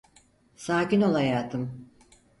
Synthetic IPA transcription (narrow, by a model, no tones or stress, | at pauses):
saːcino̞lˠajaːt̪ʰɯm